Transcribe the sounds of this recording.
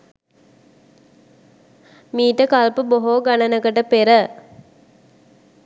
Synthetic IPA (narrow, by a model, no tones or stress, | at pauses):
miːʈəkalpəboɦoːɡanənəkəʈəpeɾə